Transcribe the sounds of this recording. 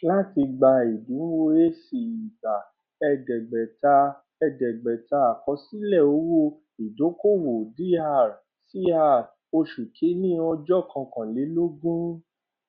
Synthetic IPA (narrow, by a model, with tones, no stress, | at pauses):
la˦ti˧ɡ͡ba˧i˨dũ˨˦wo˦e˦si˨i˨ba˨ | ɛ˧ɡɛ˨ɡ͡bɛ˨ta˧ | ɛ˧ɡɛ˨ɡ͡bɛ˨ta˧a˨kɔ˧si˦lɛ˦˨o˨˦wo˦ | i˨do˨˦ko˦wo˨di˦a˦˨ɾ | si˦a˦˨ | o˧ʃu˨kʰe˨˦nĩ˦ɔ˧d͡ʒɔ˦˨kã˧kã˨le˨˦lo˦ɡũ˦